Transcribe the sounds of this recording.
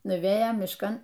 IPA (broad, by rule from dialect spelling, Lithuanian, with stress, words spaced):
nʊˈʋʲeːjoːm mʲɪʃˈkɐn